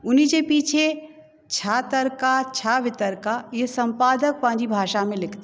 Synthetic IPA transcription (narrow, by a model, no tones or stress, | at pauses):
ʊnid͡ʒepiːt͡ʃʰe | t͡ʃʰaːt̪əɾkat͡ʃʰaʋɪt̪əɾkajesə̃mpaːd̪ək̚pãːd͡ʒibʱaːʃamẽlɪkʰt̪e